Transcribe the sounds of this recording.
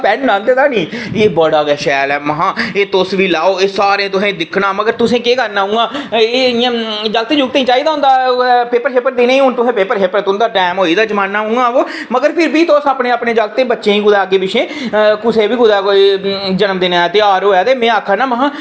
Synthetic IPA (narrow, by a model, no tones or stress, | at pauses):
pɛːnnãːnd̪eːt̪aːnĩːeːbəɽaːɡɛːʃɛːlɛːməɦãːeːt̪osʋiːlaːoːeːsaːɾẽːt̪ʊsẽːd̪ɪkʰɽaːməɡəɾt̪ʊsẽːkeːkəɾnaːɦʊ̃ːɡaːeːijãːd͡ʒaːɡt̪ẽːd͡ʒuːɡ̚t̪eːĩːt͡ʃaːiːd̪aːɦʊ̃nd̪aːpeːpəɾɦeːpəɾd̪eːnẽːɦʊnt̪ʊsẽːpeːpəɾɦeːpəɾt̪ʊnd̪aːɖɛːmɦoːiːd̪aːd͡ʒəmãːnːaːɦũːɡaːʋoː | məɡəɾpʰɪɾʋiːt̪oːsaːpnẽːaːpnẽːd͡ʒaːɡt̪ẽːbətːʃẽːĩːɡʊd̪aːəɡeːbɪt͡ʃʰẽːkʊsẽːbiːɡʊd̪aːkoid͡ʒənəmd̪eːneːt̪eːaːɾoːɛːd̪eːmẽːaːkʰanaːməɦãː